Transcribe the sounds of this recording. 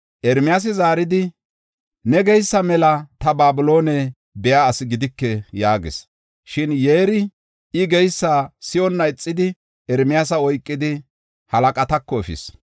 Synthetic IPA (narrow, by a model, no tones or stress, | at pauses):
ʔɛɾmɪjaːs̬ɪzaːɾɪd̪ɪ | nɛɡɛjsːɐmɛlɐt̪ɐbaːbɪlo̞ːnɛ | bɛjaːsɪɡɪd̪ɪkːɛjaːɡɪ̰s | ʃɪnjeːɾɪ | ɪɡɛjsːaːsɪjɔnːɐɪt͡sʼːɪd̪ɪ | ɛɾmɪjaːs̬ɐɔjkʼːɪd̪ɪ | hɐlɐkʼɐt̪ɐkːɔɛfɪ̰s